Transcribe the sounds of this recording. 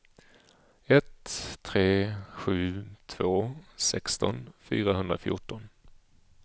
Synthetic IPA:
ɛt̪ʰːɾeːɧʉ̟ːt̪ʰv̥oːsɛkst̪ɔ̰nfy̰ːɾaɦɵnd̪ɾa̰fjʊ̰ʈɔn

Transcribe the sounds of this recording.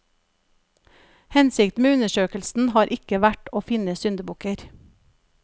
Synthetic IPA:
hɛnsɪkt̪meːʉnəʃøːkəlsn̩hɑːɾʔɪkəʋæʈoːfɪnəsʏnd̪əbʊkəɾ

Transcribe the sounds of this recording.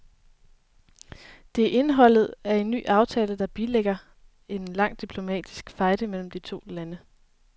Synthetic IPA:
d̥e̝æʔe̝nɦɒ̽l̰ð̞̩ˠæɐe̝nːy̰ːʔɑ̈ʊt͡sʰɛːləd̥ɑ̈b̥ileɡ̥ɐ | e̝nlɑ̈ŋ̰d̥ipʰlo̝mɛ̰ːd̥isɡ̥fɑ̈ɪd̥əmel̰m̩d̥it͡sʰo̝̰ːlænə

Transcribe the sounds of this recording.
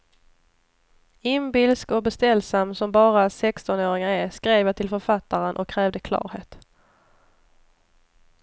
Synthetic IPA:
ɪmbɪlskɔbɛst̪ɛlːsamːsɔmbɑːɾasɛkst̪ɔnoːɾɪŋaɛskɾeːvjat̪ʰɪlfœɾfat̪ːaɾənʔɔ̰kʰːɾɛːvd̪əkʰlɑ̰ːɾheːt̪

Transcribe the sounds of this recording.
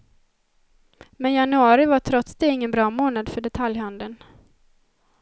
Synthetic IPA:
mɛnjanɵɑːɾɪvaʈʰɾɔt̪sd̪eːɪŋːənbɾɑːmoːnad̪fœɖɛt̪ʰaljhand̪ən

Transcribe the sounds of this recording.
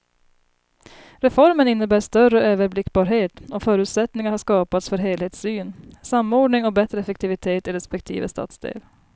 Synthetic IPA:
ɾɛfɔɾmənɪnːəbæːʂt̪œrəøːvəɾblɪkːbɑːɾɦeːt̪ɔfœːɾʉ̟t̪sɛt̪nɪŋaɾhaʂkɑːpat̪sfœɾɦeːlheːt̪syːnsamːoːɖɳɪŋɔbɛt̪ɾəɛfɛk̚t̪ʰɪvɪt̪ʰeːt̪ɪɾɛspɛk̚t̪ʰḭːvə̰st̪ɑ̰ːt̪sd̪ḛːl

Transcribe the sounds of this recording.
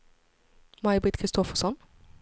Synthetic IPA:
majbit̪kʰɾɪst̪ɔfəsɔn

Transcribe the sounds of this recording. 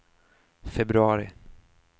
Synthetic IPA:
fɛbɾɵɑːɾɪ̰

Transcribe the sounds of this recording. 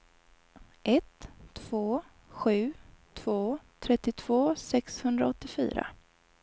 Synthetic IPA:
ʔɛt̪ʰːv̥oː | ɧʉ̟ːt̪ʰv̥oːt̪ʰɾɛt̪ːɪt̪ʰv̥oːsɛkshɵnd̪ɾaɔt̪ːɪfy̰ːɾa̰

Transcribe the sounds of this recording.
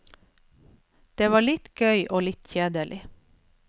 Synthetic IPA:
d̪̥eːʋɑːɭɪt̪ɡ̥œʏʔoːlɪt̪çeːd̪əɭʔɪ

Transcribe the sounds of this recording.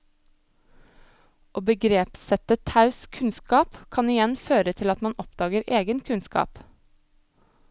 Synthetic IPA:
oːbəɡɾeːpsɛt̪ət̪ʰɑʉskʰʉnskɑːpkʰɑnɪjɛnføːɾət̪ʰɪlɑt̪mɑnɔpd̪ɑːɡəɾeːɡənkʰʉnskɑ̰ːp

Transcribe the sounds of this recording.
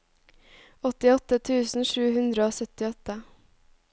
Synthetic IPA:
ɔt̪ɪɔt̪ət̪ʰʉːsn̩ʃʉːhʉnd̪ɾəoːsœt̪ɪɔt̪ə

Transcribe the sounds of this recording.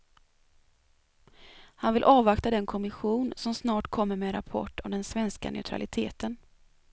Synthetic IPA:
hanvɪlʔɑːvakt̪ad̪ɛnkʰɔmɪɧuːnsɔmsnɑːʈkʰɔmːəɾmeɾa̰pʰɔ̰ʈːɔmd̪ɛnsvɛnska̰nœ̰ʉt̪ʰɾa̰lɪt̪ʰeːt̪ən

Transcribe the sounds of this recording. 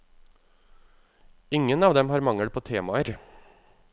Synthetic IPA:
ɪŋːənɑːʋd̪ɛmɦɑːɾmɑŋəɽpʰoːt̪ʰeːmɑəɾ

